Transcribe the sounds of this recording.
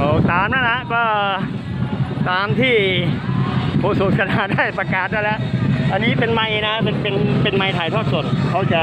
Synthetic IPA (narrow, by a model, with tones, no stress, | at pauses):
ʔoː˧˩saː˨˦mna˦˥nla˦˥ʔkɔː˥˩ | saː˨˩˦mt̪ʰiː˥˩ | pʰoː˨˧˩su˨k̚sʰa˧naː˨˦daː˥˩jpɾa˧kaː˨˩t̪̚daː˥˩jlɛː˦˥ʔa˧nːiː˦˥pe˧nma˧jna˦˥pe˧npe˧npe˧nma˧jt̪ʰaː˨˩jt̪ʰɔː˥˩t̪̚so˨˩t̪̚kʰa˦˥wt͡ɕa˨˩